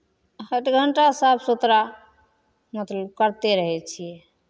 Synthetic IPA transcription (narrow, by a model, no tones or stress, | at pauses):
həʈɡʱəɳʈasabsut̪ɾa | mət̪ləb̚kəɾt̪eɾəɦɛt͡ʃʰijɛ